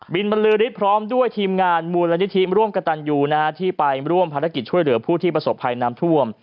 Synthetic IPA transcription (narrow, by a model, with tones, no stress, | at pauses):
bi˧nba˧nlɯː˦˥ɾi˦˥t̪̚pʰɾɔː˦˥mdu˥˩əjt̪ʰiː˧mŋaː˧nmuː˧nla˧ni˦˥t̪ʰi˦˥ɾu˥˩əmka˧t̪a˧njuː˧naː˦˥t̪ʰiː˥˩pa˧jɾu˥˩əmpʰaː˧ɾa˦˥ki˨˩t̪̚t͡ɕʰu˥˩əjlɯ˩˦ɐpʰuː˥˩t̪ʰiː˥˩p̬ɾa˧so˨˩pʰːa˧jnaː˦˥mt̪ʰu˥˩əm